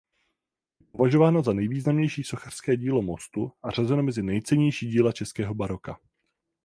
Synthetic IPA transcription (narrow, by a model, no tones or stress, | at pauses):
jɛpovaʒo̞vaːnozanɛjviːznamɲɛjʃiːso̞xar̥skɛːɟiːlo̞mo̞st̪uʔar̝azɛnomɛzɪnɛjt͡sɛɲɛjʃiːɟiːlat͡ʃɛskɛːɦo̞baɾo̞ka